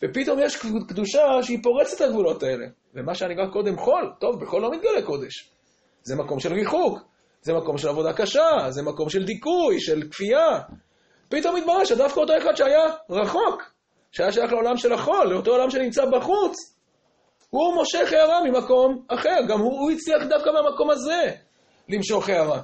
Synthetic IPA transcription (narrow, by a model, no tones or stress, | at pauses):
vepit̪o̞mjeʃkd̪uʃaʃeipo̞ʁet͡set̪aɡvulo̞t̪ae̞le̞̰ | vemaʃeaniʁakːo̞d̪e̞mχo̞lt̪o̞vbeχo̞lːo̞mit̪̚ɡaleko̞d̪e̞ʃ | zemako̞mʃe̞lʁiχuk | zemako̞mʃe̞lavo̞d̪akaʃazemako̞mʃe̞ld̪ikujʃe̞lkfia | pit̪o̞mit̪̚baʁeʃad̪afkaot̪̬o̞eχad̪ʃeajaʁaχo̞k | ʃeajaʃajaχleo̞lamʃe̞laχo̞lːeot̪o̞olamʃe̞nimt͡sabaχut͡s | humo̞ʃeχeaʁamimako̞maχe̞ʁɡamuuit͡sliaχd̪afkameamako̞maze̞ | limʃo̞χeaʁa